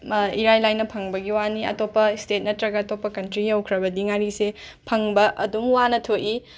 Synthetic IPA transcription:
iɾajlajnːɐpʰɐŋbɐɡiwaniɐ̰topːɐstet̚nɐtɾɐɡɐːtopːɐkɐntɾijɐwkʰɾɐbɐdiŋaɾisepʰɐŋbɐʔɐdumwanɐtʰoʔi

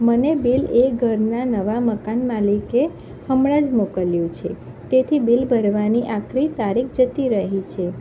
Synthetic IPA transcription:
mənebileɡʱəɾnanəʋaməkanmalike | həmɭad͡ʒmokəljũt͡ʃʰe | t̪et̪ʰibilbʱəɾʋaniʔakʰɾit̪aɾik̚ʰd͡ʒət̪iɾəɦit͡ʃʰe

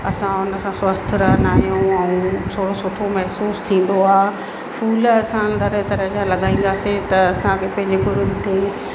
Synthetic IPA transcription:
ɐsãʊnə̆sãswɐst̪ʰɾɐɦnaːijũɛ̃t̪ʰoːɽosʊt̪ʰomɐɦsuːst̪ʰĩːn̆d̪oaː | fuːlɐsãnd̪əɾət̪ɐɾəɦd͡ʑãlɐɠaːĩːn̆d̪aːset̪ɐɐsãkʰepɐ̃ɦɪ̃ɲd͡ʑeɡʊɾʊm̆t̪e

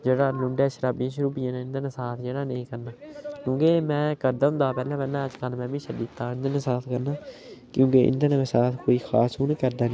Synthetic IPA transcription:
d͡ʒeːɽaːlʊɳɖɛːʃəɾaːbijãːʃʊɾuːpɪjãːnẽːɪ̃nd̪ənãːsaːt̪ʰd͡ʒeːɽaːneĩːkəɾnaːlõːkeːmɛ̃ːkəɾd̪aːɦʊ̃nd̪aːpɛːlãːpɛːlãːəd͡ʒkəlmɛ̃ːbiːʃəd̪iːt̪ːaːɪnd̪ənãːsaːt̪ʰkəɾnaː | kjõːkeːʔɪ̰nd̪ənːesaːt̪ʰkoːiːxʰa̰ːsuːnekəɾd̪aːnẽ

